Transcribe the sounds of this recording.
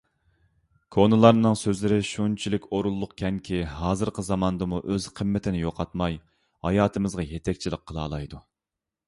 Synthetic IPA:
kʰonɨlˠɑɾnɨŋsøzlɪɾɪʃunt͡ʃʰilɪkʲoɾulˠːʊqkʲʰɛŋkʲʰiɦɑːzɨɾqʰəzɑmɑnd̪ɨmuʔøzqʰəmːɪt̪ʰɪnɪjoqʰɑt̪mɑj | hɑjɑːt̪ʰɨmɨzʁɑjet̪ʰɛk̚ʲt͡ʃʰilɪqʰːəlˠɑ̰ːlˠɑjd̪u

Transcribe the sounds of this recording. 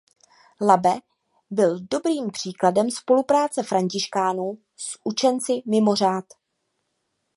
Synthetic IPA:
labɛ | bɪldo̞bɾiːmpr̝̥iːkladɛmspo̞lupɾaːt͡sɛfɾaɲcɪʃkaːnuː | sʔut͡ʃɛnt͡sɪmɪmor̝aːt̪

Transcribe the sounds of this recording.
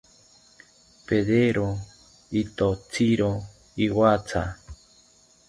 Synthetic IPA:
peðeɾo | it̪ot͡siɾo | iwat͡sa̰

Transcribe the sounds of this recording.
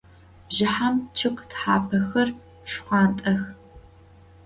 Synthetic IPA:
b̥ʒɪħamt͡ʃʰɨkʷʼtħaːpʰɐxɐr | ʂxʷɑːntʼɐx

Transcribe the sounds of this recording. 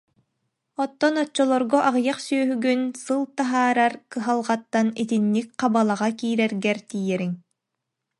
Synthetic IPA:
ɔt̪ːɔnɔt͡ɕːɔlˠɔɾɡɔʔaʁjaqsyœɦyɡynsɯlˠt̪aɦaːɾaɾkɯɦalˠʁat̪ːanit̪inːik̚qabalˠaʁakiːɾɛɾɡɛɾt̪iːjɛɾiŋ

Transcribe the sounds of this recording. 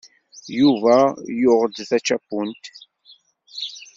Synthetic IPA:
juvæjʊʁəd̪θæt͡ʃːæpːunt̪

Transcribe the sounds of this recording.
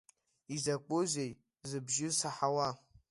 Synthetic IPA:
izɐk͡pozej | zɨbʒɪsaħawa

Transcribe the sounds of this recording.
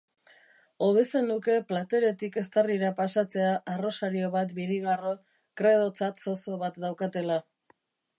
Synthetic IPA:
o̞βe̞senuke̞plat̪e̞ɾe̞t̪ike̞st̪ariɾapasat͡se̞aʔaro̞saɾio̞βat̪biɾiɣaro | kɾe̞ð̞o̞t͡sat̪so̞so̞βat̪d̪awkat̪e̞la

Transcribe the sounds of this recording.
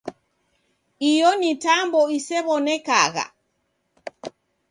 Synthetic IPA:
ijɔnitambɔisɛβɔnɛka̰ɣa̰

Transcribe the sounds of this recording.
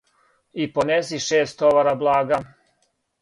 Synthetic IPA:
ipones̬iʃeːst̪oʋaɾablˠaːɡa

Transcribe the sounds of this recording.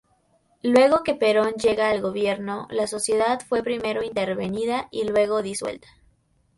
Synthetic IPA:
lwe̞ɣo̞ke̞pe̞ɾo̞nd͡ʒe̞ɣaːlɣo̞βje̞ɾno̞laso̞sje̞ðaðfwe̞pɾime̞ɾo̞int̪e̞ɾβe̞niðailwe̞ɣo̞ðiswe̞̰lt̪ḁ

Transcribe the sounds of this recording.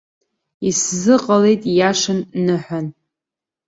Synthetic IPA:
iszɨqʼale̞jtʼjaʂɨnːɨħʷᶣan

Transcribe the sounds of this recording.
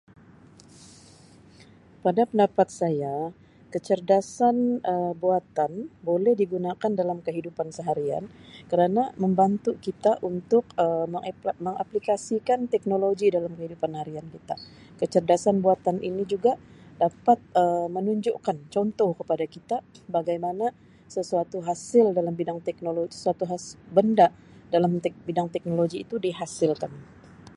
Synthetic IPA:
padapəndapat̪̚saja | kət͡ʃərdasanəbuat̪anbolɛhdiɡunakandalamkəɦidupansəɦaɾia̰nkəɾanaməmbant̪ukit̪aʔunt̪ʊkəəməŋa̰plikasikant̪ɛk̚noloɡidalamkəɦidupanhaɾiankit̪a | kət͡ʃərdasanbuat̪anʔinid͡ʒuɡadapat̪̚əmənuɲd͡ʒṵʔkant͡ʃɔnt̪ɔhkəpadakit̪abaɡajmana | səsuat̪uɦasɪldalambidaŋt̪ɛk̚nolosə̥suat̪uɦasbəndaʔ | dalambidaŋt̪ɛk̚noloɡiːt̪udiɦasɪlkan

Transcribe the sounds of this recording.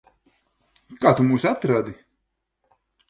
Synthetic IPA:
kaːt̪umuːsat̪ɾad̪i

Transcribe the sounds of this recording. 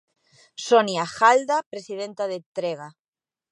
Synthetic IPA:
sonjaxald̪apɾesiðent̪aðet̪ɾeɣ̞a

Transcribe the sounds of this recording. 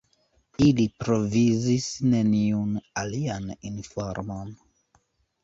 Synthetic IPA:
ilipɾo̞vizisne̞niunalianinfoɾmon

